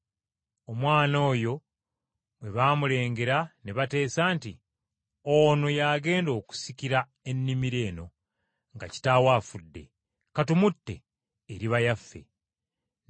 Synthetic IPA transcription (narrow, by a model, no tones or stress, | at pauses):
o̞mwaːno̞ːjo̞ | βwe̞βaːmule̞ːŋɡe̞ɾaneβate̞ːsaːnti | ono̞jaːɡe̞ːndo̞ːku̥sikiɾa | e̞nːimiɾe̞ːno̞ | ŋɡa̰ci̥tawaːfudːe̞̰ | katumutːe̞̰ː | ɾiβajafːe̞̰